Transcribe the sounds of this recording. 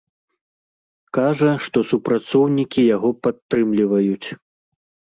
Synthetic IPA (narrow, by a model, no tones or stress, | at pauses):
kaʐɐʂt̪ɔsupɾat̪sɔwnʲikʲijaɣɔpat̪ːɾɨmlʲivɐjut͡sʲ